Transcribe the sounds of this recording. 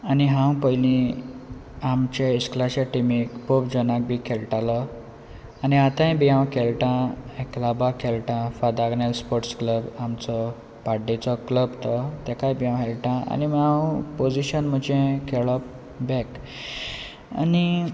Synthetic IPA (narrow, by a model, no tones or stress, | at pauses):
aniɦãwpəjlĩ | amt͡ɕeisklaɕaʈimikpopd͡ʑənak̚bʱikʰelʈalɔ | aniat̪ãj̃biãwkʰelʈãeklabakʰelʈãfad̪aɡnelspoʈskləbamt͡sɔ | paɖːit͡sɔkləbt̪ɔt̪ɛkajbijãwɦelʈãa̰nimãwpod͡ziɕənm̤əd͡ʑẽkʰeɭɔp | bɛk | a̰ni